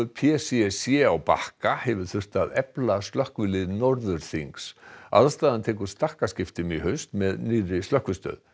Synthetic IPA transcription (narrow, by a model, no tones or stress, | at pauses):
pʰɛsiɛsjɛawpa̰hkahɛvɪɾ̥θʏr̥t̪aðɛplast̪lœhkvɪlɪðnɔɾðʏɾ̥θiŋksa̰ðst̪aːðant̪ʰɛːk̬ʏ̥st̪ahkascɪft̪ɪmiɦœɥnst̪mɛðniːrɪst̪lœhkvʏst̪œ̰ːð